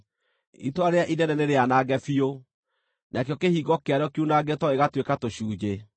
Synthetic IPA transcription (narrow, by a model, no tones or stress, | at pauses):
ḭtoaɾeaʔidɛnɛneɾeanaɡɛfio | nʔakeɔkehiːɡɔkeaɾeɔkiunaɡɛtɔeɣatwekatoɕuːd͡ʑe